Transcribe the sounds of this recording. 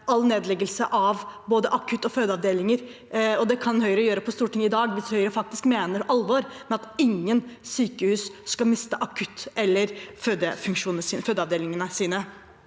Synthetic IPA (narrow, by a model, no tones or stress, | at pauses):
ɑlneːd̪lɛɡəlsəʔɑʋboːd̪əʔɑkʰʉt̪ːɔføːd̪əɑʋd̪eːlɪŋəɾ | ɔd̪ɛkʰɑnhœʏɾəɔjøːɾəpʰɔst̪uːʈʰɪŋːəɪd̪ɑːɡʋɪshœʏɾəfɑk̚t̪ɪskmeːnəɾʔɑlʋɔɾmɛɑt̪ɪŋːənsyːkəhʉːsskɑlmɪst̪əʔɑkʰʉt̪ːɛlːəɾføːd̪əfʉŋkʂuːnəsiːnføːd̪əɑʋd̪eːlɪŋənəsiːnə